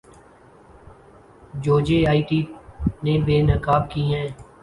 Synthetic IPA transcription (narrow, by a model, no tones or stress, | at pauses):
d͡ʒoːd͡ʒeːaːiːʈiːnẽːbeːnəkaːbkiːɦɛ̃ː